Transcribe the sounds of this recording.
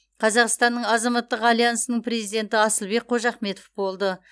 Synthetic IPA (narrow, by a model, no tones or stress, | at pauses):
qʰɑzɑqst̪ɑnːəɴɑzɑmɑt̪ːəqɑlˠijansənəɴpʰɾe̞zijd̪e̞nt̪ɪɑsəlˠbe̞k̚qʰo̞ʒɑχme̞t̪ofbo̞lˠd̪ə